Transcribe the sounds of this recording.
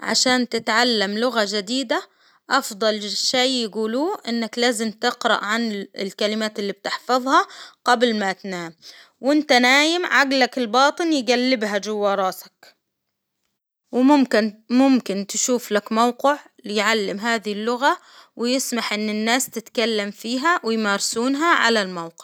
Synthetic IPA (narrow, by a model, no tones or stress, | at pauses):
ʕa̰ʃaːnt̪ɪt̪ʕalːamlʊɣad͡ʒad̪iːd̪a | ʔɑfd̪ˤɑlʃejːɪɡuːluːʔɪnːaklaːzɪmt̪ɪqɾɑ̰ʔʕanɪ̰lkalɪmaːt̪ɪlːib̚t̪ɪħfɑðˤhɑɡ̥ablmat̪naːm | wɪnt̪anaːjɪmʕaɡlakɪlbɑːt̪ˤɨnjɡalːɪbɦad͡ʒʊwːɑːɾˤɑːsḁk | wɪmʊmkɪnmʊmkɪnt̪ʃuːflakmawqɪʕ | lɪjʕalːɪmɦaːðɪhɪlːʊɣa | wɪjɪsmaħʔɪnːɪnːaːst̪ɪt̪kalːamfiːɦawɪjmaːɾsuːnɦaʕa̰lalmawqɪ̥ʕ